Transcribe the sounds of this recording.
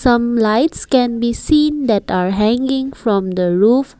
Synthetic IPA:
sãmlaɪtskɛ̃nbisĩnd̪ɛtaɹɦɛ̃ŋɡɪ̃ŋfɹɔ̃md̪əɹuf

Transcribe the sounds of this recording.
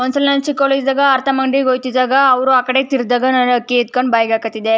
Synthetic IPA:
kɔ̃nsəlnant͡ɕikɔled͡ʑd͡zəɡaːɾt̪ʰəməɳɖiɡojt̪id͡zəɡaːʋɾuakɽet̪iɾd̪əɡənəɾəkːiːt̪kəɳbajɡakət̪id̪e

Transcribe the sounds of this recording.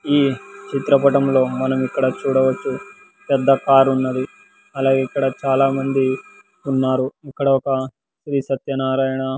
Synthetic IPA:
iːt͡ʃit̪ɾɐpɐʈɐmlo̞ːmɐnɐmikːɐɽɐt͡ʃuːɽɐʋɐt͡ʃːu | pɛd̪ːɐkaːɾunːɐd̪i | ɐlaːɡeikːɐɽɐt͡ʃaːlaːmɐnd̪i | unːaːɾuikːɐɽɐɔkɐ | sɾisɐt̪jɐnaːɾaːjɐɳɐ

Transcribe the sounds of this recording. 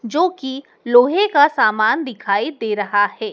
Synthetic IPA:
d͡ʒoːki | loːɦẽkasaːmaːnd̪ɪkʰaːid̪eːɾɐɦahɛː

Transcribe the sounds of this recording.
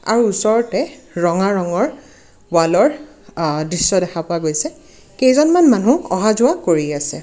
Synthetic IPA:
a̰ɹuːsɔɹɔtɛ | ɹɔŋaɹɔŋɔɹ | balɔɹ | dɹisːɔdɛxʰapʊaɡojsɛ | kejzɔnmanmanũɔ̰ɦazʊwakoɹiasɛ̰

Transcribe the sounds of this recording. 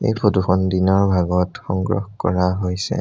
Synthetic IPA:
ḛjpʰɹoduxɔndinɔɹbʱaɡɔtxɔŋɡɹɔ̰xkɔ̰ɹaɦojsɛ̰

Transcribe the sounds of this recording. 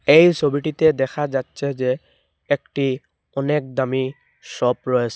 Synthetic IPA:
ejsobiʈitɛdɛkʰazatsɛzɛː | kʈi | ɔnɛk̚dami | sɔpɹɔjsɛ

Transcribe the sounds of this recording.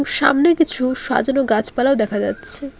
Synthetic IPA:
ŋʃa̰mnekit͡ɕʰuʃa̰d͡ʑonoɡat͡ɕʰpalaod̪ɛkʰad͡ʑatːɕʰe

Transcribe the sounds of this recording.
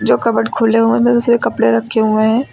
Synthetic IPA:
d͡ʒoːkɐbəʈkʰoːleɦuẽmɛ̃t̪ʊsɾekɐpɽeɾɐkʰːeɦuẽɦɛ̃ː

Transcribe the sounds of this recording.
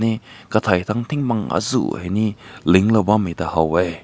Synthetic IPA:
nikat̪ʰajt̪ʰaŋt̪ʰiŋmaŋa̰zṵheniliŋlɐbamit̪ahawej

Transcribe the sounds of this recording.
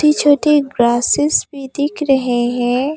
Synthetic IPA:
ʈet͡ʃʰoːʈeɡɾaːsɪsbʱid̪ɪkɾɐɦeɦɛ̃ː

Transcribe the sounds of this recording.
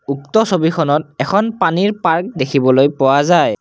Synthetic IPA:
uktɔsobikʰɔnɔt̚ɛkʰɔnpaniɹpaɹk̚dekʰibɔlojpɔwazaj

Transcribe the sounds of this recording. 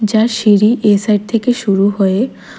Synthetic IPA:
d͡ʑaɾʃiɾiʔesajɖ̚t̪ʰekeʃuɾuɦoe

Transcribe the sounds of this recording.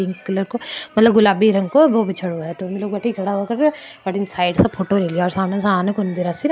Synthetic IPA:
ɪŋkkɐləɾkomɐt̪ləb̚ɡʊlaːbiɾɐ̃ŋɡkoboːbɪt͡ʃʰəɽuɦɛt̪omiloːɡ̚bɐʈʰikʰɐɽaɦuakɐɾebɐʈɪnsaːɪɖsɐbpʰoːʈoɾeliaɔːɾsaːmnasaaːnekʊnd̪iɾasɪɾ

